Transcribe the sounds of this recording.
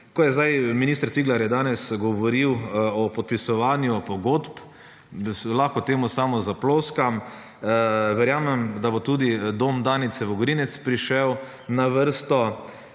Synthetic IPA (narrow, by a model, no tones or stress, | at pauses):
kɔjɛzd̪ajminiːst̪əɾsiɡlaɾjɛd̪aːnɛsɡɔʋɔɾiwɔpɔt̪̚pisɔʋaːnjupɔɡoːt̪p | slaxkɔt̪eːmusaːmɔzaploːskam | ʋɛɾjaːmɛmd̪abot̪uːd̪id̪oːmd̪aːnit̪sɛʋɔɡɾinɛt̪spɾiʃɛw | naʋəɾst̪ɔ